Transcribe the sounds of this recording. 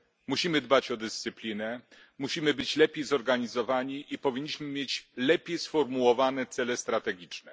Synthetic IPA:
muɕimɘd̪bat͡ɕɔd̪ɘst̪sɘplʲinɛ | muɕimɘbɘt͡ɕlɛpʲjejzɔɾɡaɲizɔvaɲiʔipɔvʲiɲːiɕmɘmʲjet͡ɕlɛpʲjejsfɔɾmuwɔvanɛt̪sɛlɛst̪ɾat̪ɛɡʲit͡ʂnɛ

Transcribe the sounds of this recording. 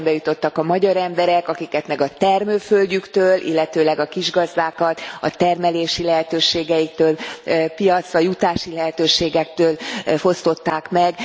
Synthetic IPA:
mbɛjut̪o̞t̪ːɒkɒmɒɟɒɾɛmbɛɾɛkɒkikɛt̪mɛɡɒt̪ɛrmøːfølɟykt̪øːlʔḭlːɛt̪øːlɛɡɒkiʒɡɒzd̪aːkɒt̪ɒ̰t̪ɛrmɛleːʃilɛɦɛt̪øːʃeːɡɛjik̚t̪øːlpijɒt̪sʋɒjut̪aːʃilɛɦɛt̪øːʃeːɡɛk̚t̪øːlfo̞st̪o̞t̪ːaːkmɛɡ

